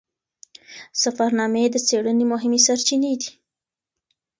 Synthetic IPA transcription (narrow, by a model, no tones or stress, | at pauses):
safaɾnɑmed̪ət͡seɽənemʊɦɪmesaɾt͡ʃined̪i̥